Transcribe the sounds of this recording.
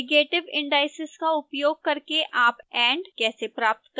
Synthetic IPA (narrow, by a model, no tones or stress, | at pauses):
ɡeːʈɪʋɪ̃ɳɖaːɪsɪz̥kaʊpjoːɡ̚kɐɾkeʔaːpɛ̃ːɳɖkɛːsepɾaːp̚t̪k